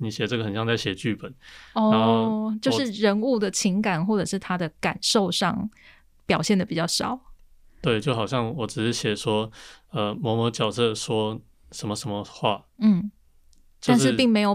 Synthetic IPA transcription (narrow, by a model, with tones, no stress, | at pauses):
ni˨˩ɕjɛ˨˩ʈ͡ʂɤ˥˨ɡə˩xə˨˩nɕjɑ˥˧ŋt͡sa˥˩ɪɕjɛ˨˩t͡ɕy˥˩pə˨˩˦nɔ˥a˧˦˥t͡ɕjo˥˧ʂɻ̩˥˩ɻə˧˥nu˥˩d̪ə˩t͡ɕʰi˧˥ŋka˨˩nxwɔ˥˩ʈ͡ʂɤ˨˩ʂɻ̩˥˩t̪ʰa˥d̪ə˨ka˨˩nʂo˥˧ʊʂɑ̰˥˨˩ŋ | pjɑ˨ʊɕjɛ˥˩nd̪ə˩pi˨˩t͡ɕjɑ˥˩ʊʂɑ̰˨˩˦ʊt̪we˥˩ɪt͡ɕjo˥˩ʊxɑ˨˩ʊɕjɑ˥˩ŋwɔ˨˩˦ʈ͡ʂɻ̩˨˩ʂɻ̩˥ɕjɛ˨˩ʂwɔ˥ə˧mɔ˧˥mə˧˥t͡ɕjɑ˨˩ʊsɤ˥˧ʂwɔ˥ | ʂə˧˥nmə˧ʂə˧˦nmə˧xwa̰˥˧n̩˥˩ | t͡ɕjo˥a˧˥˧nʂɻ̩˥˧pi˥˩ŋme˧˥ɪjo˨˩